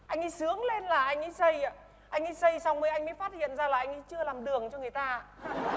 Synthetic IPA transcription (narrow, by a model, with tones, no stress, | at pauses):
ʔa˧jŋ̟ʔa˧˦sɨ˨˦əŋle˧nlaː˨˩ʔa˧jŋ̟ʔi˧˥sə˧ja˧ | ʔa˧jŋ̟ʔa˨˧˦jsə˧jsa˧wŋ͡mmə˧˩ʔa˧jŋ̟ma̰˧˦jfaː˦˥t̚hḭ˧˨ənzaː˧laː˨˩ʔa˧ŋʔa˧˦jt͡ɕɨ˧əlaː˨˩mɗɨ˨˩əŋt͡ɕɔ˧ŋɨ˨˩əjt̪aː˧a˧